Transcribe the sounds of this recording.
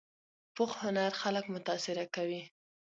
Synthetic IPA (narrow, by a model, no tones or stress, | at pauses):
pʊxhʊnaɾxaləkmʊt̪ɑsɪɾakawi